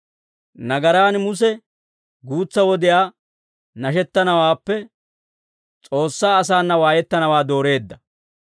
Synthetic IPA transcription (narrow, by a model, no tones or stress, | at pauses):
nɐɡɐɾaːnmʊs̬ɛ | ɡuːt͡sːɐwɔd̪ɪjaː | nɐʃ̬ɛt̪ːɐnɐwaːpːɛ | t͡sʼo̞ːsːaːɐs̬aːnːɐwaːjɛt̪ːɐnɐwaːd̪o̞ːɾe̞ːd̪ːɐ